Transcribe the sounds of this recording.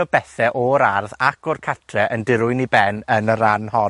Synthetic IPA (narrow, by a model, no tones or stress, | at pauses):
ɔbɛθɛʔɔɾarðakʰɔrkʰatʰrɛʔəndɪɾʊɨnibɛnənəɾanhɔ